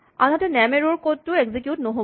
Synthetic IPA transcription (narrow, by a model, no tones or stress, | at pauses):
anatɛnɛmeɹoɹkotːʊeɡzikjutnoɦo